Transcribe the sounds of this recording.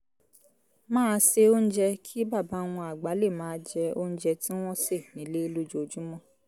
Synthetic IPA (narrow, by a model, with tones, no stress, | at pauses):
mãː˦˧se˧o˦n̩˦d͡ʒɛ˧kʰi˦ba˦˨ba˨˦˧w̃ɔ̃˧a˨ɡ͡ba˨˦le˦˨mãː˨˦d͡ʒɛ˧o˦n̩˦d͡ʒɛ˧tĩ˦w̃ɔ̃˦se˦˨nĩ˨˦le˦i˧lu˦d͡ʒo˧d͡ʒu˦mɔ̃˦˨